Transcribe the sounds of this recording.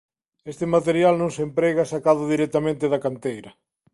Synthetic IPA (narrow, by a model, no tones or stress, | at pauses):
est̪ɪmat̪eɾjalnõŋsempɾeɣasakaðʊðiɾɛk̚t̪amẽnt̪ɪðɐkant̪ejɾɐ